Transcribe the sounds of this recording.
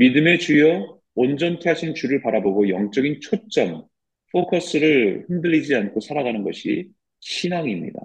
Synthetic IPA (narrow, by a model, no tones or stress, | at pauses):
midɯme̞t͡ɕujʌ | ond͡ʑʌntʰeɦaɕʰint͡ɕuɾɯɭpaɾaboɡojʌŋt͡ɕ͈ʌɡint͡ɕʰot͡ɕ͈ʌm | pʰokʰʌs͈ɯɾɯɭhindɯʎːid͡ʑiankʰosʰaɾaɡanɯnɡʌɕʰḭ | ɕʰinaŋimɲḭda̰